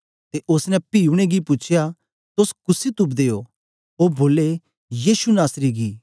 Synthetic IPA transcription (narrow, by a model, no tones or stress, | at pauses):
t̪eʔʊsnɛ̃piːuɽ̃eɡipʊt͡ʃʰja | t̪oskʊsit̪ʊbd̪eːjo | oboːle | jiːʃunaːsɾiɡiː